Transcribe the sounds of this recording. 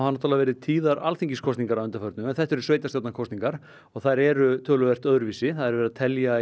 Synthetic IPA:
hanːo̥t̪ʰalavɛːɾɪðt̪ʰiːðaɾalθiɲciskʰɔst̪niŋkaɾawʏnt̪afœɾt̪nʏmɛnθɛht̪ɛɾʏ̥sveːjt̪ast̪awt̪nakʰɔwst̪niŋkaɾ̥ | ɔɣθaɾɛɾʏt̪ʰœːlʏvɛr̥t̪œðɾʏviːsɪθaðɛɾvɛɾaðt̪ʰɛlja

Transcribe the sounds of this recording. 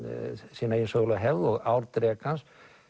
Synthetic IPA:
siːnainsoɣlɔɦɛvðɔɣawɾt̪ɾɛːkans

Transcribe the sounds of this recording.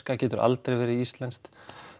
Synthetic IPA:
kacɛːt̪ʏɾa̰lt̪ɾejvɛːɾɪist̪lɛnst̪

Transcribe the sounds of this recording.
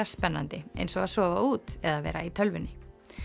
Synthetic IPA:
aspɛnːa̰nt̪ɪḛjnsɔɣaðsɔːvauːt̪ɛðavɛ̰ːɾa̰it̪ʰœlvɪnːɪ

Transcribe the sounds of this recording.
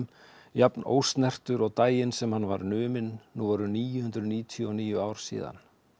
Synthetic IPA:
mjapno̰ːwst̪nɛr̥t̪ʏɾɔɣt̪aːjɪnsɛmhanːvaɾnʏːmɪnːuːvɔːɾʏniːjʏhʏnt̪ɾʏniːt̪ʰjʏɔniːjʏaːwɾ̥sḭːða̰n

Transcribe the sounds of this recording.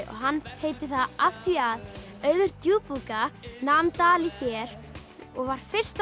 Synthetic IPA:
ɔ̰ɣɦanːheːjt̪ɪθaðaft̪iað | œːɥðʏɾ̥t̪juːpukanamnt̪aːlɪçɛːɾ | ɔɣvaɾ̥fɪr̥st̪

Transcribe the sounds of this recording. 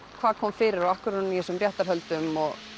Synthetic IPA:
kʰvaːðkʰɔmfɪːɾɪɾɔahkʏɾnnihɛsʏmrjɛht̪aɾɦœlt̪ʏmɔɣ

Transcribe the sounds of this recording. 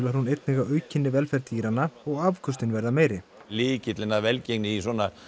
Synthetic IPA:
laɾ̥hunejt̪nɛɣaœːɥcʰɪnːɪvɛlfɛɾt̪iːɾanːaɔɣavkʰʏst̪ɪnvɛɾðameːjɾɪlɪːcɪt̪lɪnavɛlceknɪisɔːna

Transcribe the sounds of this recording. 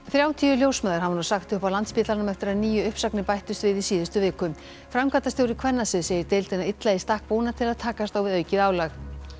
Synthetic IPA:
θɾjaːwt̪ʰiːʏljowsmɛːðaɾhɦavanasaxt̪ʏhpawlant̪spɪːt̪lanʏmɛft̪ɪɾaðniːjʏʏhpsaknɪpajht̪ʏst̪vɪðisiːðʏst̪ʏvɪːkʏm | fɾamkʰaːt̪asjowɾɪkʰvɛnːasɪðseːjɪɾt̪ejlt̪ɪnaɪt̪laist̪ahk̚poːwnat̪ʰɪlaðt̪ʰaːkast̪awvɪðœːɥcɪðaːwlax

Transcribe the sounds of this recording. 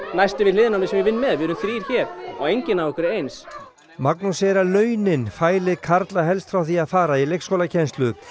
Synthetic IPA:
najst̪ɪvɪðlɪːðnanɪsɛmvjɛvɪnːmɛðvɪɾʏmθɾiːɾ̥çɛːɾ̥ɔ̰wejɲcɪnavɔhkʏɾejns | maknusɛɾalœːɥnɪnfaːjlɪðkʰaɾt̪laɦɛlst̪fɾawθiaðfaːɾailejkskowlacʰɛnst̪lʏ

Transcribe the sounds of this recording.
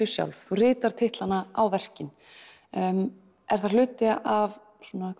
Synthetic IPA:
ʏ̥sja̰wlvθurɪːt̪aɾ̥t̪ʰeht̪lanaawvɛr̥cɪn | m | ɛɾ̥θaɾl̥ʏːt̪ɪʔav | swɔnakʰ

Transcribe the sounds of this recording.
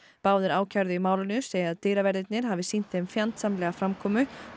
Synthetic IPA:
paːwðɪɾaːwcʰaɾðʏimaːwlʏnʏseːjɪaðt̪eːɾavɛɾðɪt̪nɪɾ̥ɦaːvɪsin̥t̪ːmfjant̪samlɛːɣafɾamkʰɔːmʏ

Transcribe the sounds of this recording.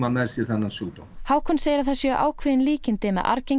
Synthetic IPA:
mamɛ̥sjɛɾθɛnːansuːt̪o̰whaːwkʰɔnseːjɪɾaθasjɛœʔa̰ːwkʰvɪːðɪnliːcɪnt̪eːmɛ̰ʔa̰ɾceŋ

